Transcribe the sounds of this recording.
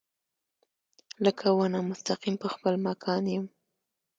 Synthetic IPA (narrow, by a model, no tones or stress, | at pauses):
ləkʰawanamʊst̪aqimpəxpəlmɑkʰɑnjəm